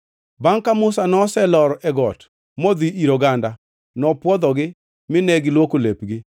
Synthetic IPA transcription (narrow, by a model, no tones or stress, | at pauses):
baŋkamʊsanɔsɛlɔɾɛɡɔt | mɔd̪iiɾoɡanda | nɔpwɔd̪ɔɡɪ | mɪnɛɡɪlwokolepɡɪ